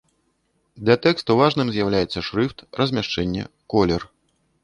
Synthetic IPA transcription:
d̪lʲat̪ɛkst̪uvaʐnɨmzʲjawlʲajɛt̪sːɐʂɾɨft̪rɐzʲmʲaʂt͡ʂɛnʲːɛ̰ | kɔlʲɛr

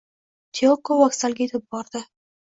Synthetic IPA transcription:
t̪ʲʰeokowɒksalɡʲaet̪ʰɪp̚bɒɾd̪̥ɪ

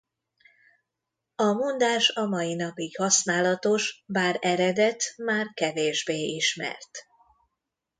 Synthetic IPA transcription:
ɒmond̪aːʃɒmɒjinɒpiɡhɒsnaːlɒt̪o̞ʃbaːɾɛɾɛd̪ɛt̪maːrkɛveːʒbeːiʃmɛ̰rt̪

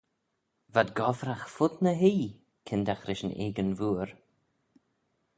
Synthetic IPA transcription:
vad̪ɡɔvɾaxfʊd̪nəɦiː | kʰɪnd̪axɾɪʃənḛːɡənvuːɾ

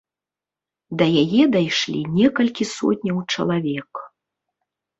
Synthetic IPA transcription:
d̪ɐjajɛd̪ajʂlʲḭnʲɛkɐlʲkʲisɔ̰tʲnʲɐwt͡ʂɐ̰lˠavʲɛk

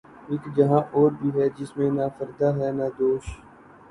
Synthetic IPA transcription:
ɪkd͡ʒəɦãːʔoːɾbʱiːɦɛːd͡ʒɪsmẽnaːfəɾd̪aːɦɛːnaːd̪oːʃ

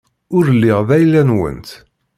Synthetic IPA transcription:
ʊɾəlːiʁðæjlːænwə̰nt̪

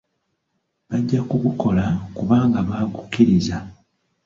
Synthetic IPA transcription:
βaɟːakukuko̞lakuβaːŋɡaβakukːiɾiza

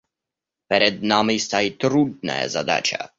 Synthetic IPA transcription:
pɾɛd̪namist̪ajit̪ɾud̪nɛ̰ːzad̪a̰t͡ʃa̰

